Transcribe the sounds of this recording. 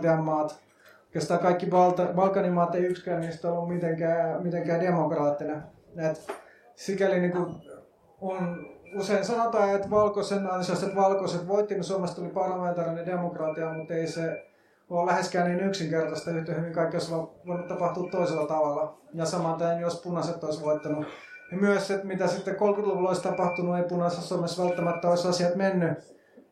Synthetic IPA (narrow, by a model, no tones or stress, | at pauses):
t̪eɑmːɑːt̪ | okest̪ɑːkɑikːibɑlt̪ɑbɑlkːˑɑnimɑːt̪eiykskæːnniːst̪olːummit̪eŋkæːmit̪eŋkæːdemokrɑːt̪ːine | et̪ | sikæliniku | onuseinsɑnot̪ɑːet̪ʋɑlkosenːɑinselːst̪et̪ʋɑlkoset̪ʋoit̪ːininsuɑmest̪olipɑrlɑment̪ɑrɑnedemokrɑːt̪iɑmut̪eise | olæheskæːniːnyksiŋkert̪ɑst̪ɑyht̪ehyʋiŋkɑikːioisʋɑʋoinut̪t̪ɑpɑht̪uːt̪tːoiselːɑt̪ɑʋɑlːˑɑjɑsɑmɑnt̪æːnjospunɑset̪ːoisʋoit̪ːɑnu | nimyæset̪mit̪æsit̪ːekolkyt̪luʋuloist̪ɑpɑht̪ununeipunɑset̪suɑmesʋælt̪ːæmæt̪ːæoisɑsiɑt̪menːy